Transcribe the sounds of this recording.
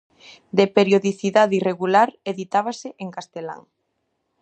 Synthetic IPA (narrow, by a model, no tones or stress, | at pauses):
d̪epeɾjoðiθiðaðireɣulaɾeðit̪aβasɪʔeŋkast̪ela̰ŋ